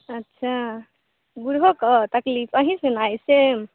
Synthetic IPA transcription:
ətːʃʰa | ɡuɾɦokət̪əklipəɦĩsunajse

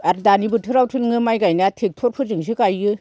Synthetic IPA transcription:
aɾdanibɯtʰɯɾawtʰɯlŋɯmajɡajnatʰek̚tʰoɾ̚pʰɯzɯŋs̬ɯkajɯ

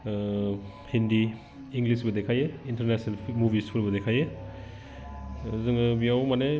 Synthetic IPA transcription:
hindiː | ŋɡlisbɐdekʰajeinteɾnesnalʰmubispʰuɾbɐdekʰaje | zɯŋɯbijawmane

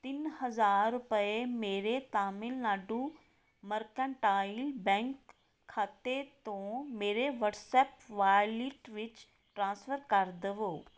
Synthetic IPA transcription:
t̪ɪnhəzaːɾːʊpəemeːɾet̪aːmɪlnaːɖũ | məɾkə̃ɳʈaːilbɛ̃ːŋkʰː | aːt̪et̪õmeːɾeʋəʈsɛːpʋaːjliʈʋɪt͡ʃ | ʈɾãːnsfʰəɾkəɾd̪əʋoː

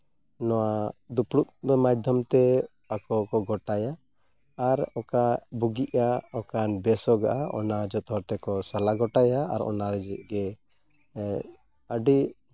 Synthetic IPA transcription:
nɔwad̪uplut̪̚bɛmajd̪ʱjɔmt̪ɛ | akɔkɔɡɔʈajaː | ɾɔkabuɡiʔaɔkanbɛsɔɡaʔaɔ̰nad͡ʒɔt̪ɔɾt̪ɛkɔsalaɡɔʈaja̰ːɾɔ̰naɾɛd͡ʒɛʔ̚ɡɛ | əɖi

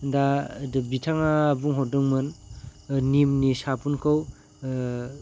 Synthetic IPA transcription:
dadbitʰaŋabuŋɦɔdɯŋmɯn | nimnisapunkʰɯw

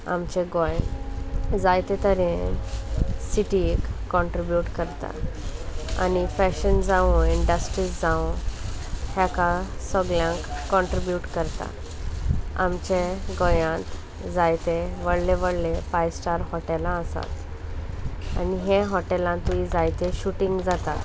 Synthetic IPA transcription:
a̰mt͡ɕeɡɔj | d͡zajt̪et̪əɾi | siʈikːɔɳʈɾibjuʈkəɾt̪a̰ | a̰nifɛɕənd͡zaʋũiɳɖəsʈɾiːsd͡zãw | hɛ̃kasɔɡljãkːɔɳʈɾibjuʈkəɾt̪a̰ | a̰mt͡ɕeɡɔjãt̪ | d͡zajt̪eʋəɽleʋəɽlepajsʈaɾɦɔʈelãəsa̰t̪ | a̰niɦeɦɔʈelãt̪uid͡zajt̪eɕuʈiŋɡd͡zat̪a

